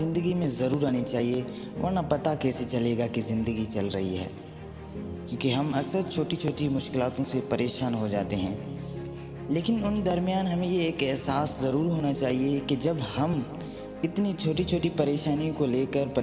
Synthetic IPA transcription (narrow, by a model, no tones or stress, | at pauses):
ɪ̃nd̪əɡimẽzɐɾuːɾaːnit͡ʃaːɦie | ʋə̰ːɾnapɐt̪akɛːset͡ʃɐleːɡakizɪ̃nd̪əɡit͡ʃɐlɾɐ̰ɦḭɦɛ̰ː | kjõːkiɦɐmɐksəɾt͡ʃʰoːʈit͡ʃʰoːʈimʊʃkɪlaːt̪õsepɐɾeːʃaːnɦod͡ʒa̰ːt̪eɦɛ̰̃ː | leːkɪnʊnd̪ɐɾmjaːnɦɐmẽjeeːkɛɦsaːszɐɾuːɾɦoːnat͡ʃaːɦiekid͡ʒɐbhɐm | ɪt̪nit͡ʃʰoːʈit͡ʃʰoːʈipɐɾeːʃaːnijõkoleːkəɾpɐ